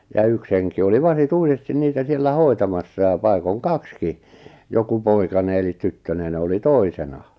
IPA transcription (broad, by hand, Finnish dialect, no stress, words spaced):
jɑ yks heŋki oli ʋɑsituisestin niːtæ sielːæ hoi̞tɑmɑsːɑ jɑ pɑi̞koŋ kɑkski joku poikɑne elit tytːønen oli toisenɑ